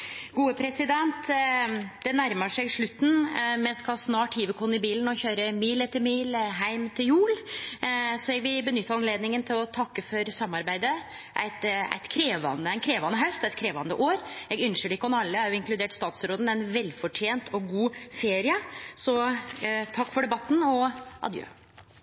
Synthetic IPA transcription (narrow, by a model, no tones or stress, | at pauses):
ɡuːəpʰɾɛsɪd̪ɛnt̪ | d̪̥ɛnæɾməʂæɡʂɭʉt̪ːn̩mɛnskɑlsnɑːʈhiːʋəkʰʊnːɪbiːln̩ɔçøːɾəmiːlɛt̪ːəɾmiːlɦæɪmt̪ʰɪljuːl | sɔɛɡʋɪlbənʏt̪ːəɾɑnleːd̪nɪŋənt̪ʰɪlɔt̪ʰɑkːəfɔɾsɑmːɑɾbæɪd̪ə | ʔæ̰ɪt̪æ̰ɪt̪kʰɾeːʋɑ̰nəæɪnkʰɾeːʋɑnːəɦœʉst̪æɪt̪̚kʰɾeːʋɑnd̪ə̰ʔoːɾɛɡʉnʃəɖɛɪkːəɔnɑlːəæɾjʊɪŋklʉd̪eːʈst̪ɑːt̪sɾoːd̪n̩æɪnʋɛlːfɔʈʰjeːnt̪ʰɔɡuːfeːɾɪəsɔ | t̪ʰɑkːfɔɖɛbɑt̪ːnɔʔɑ̰d̪jø̰ː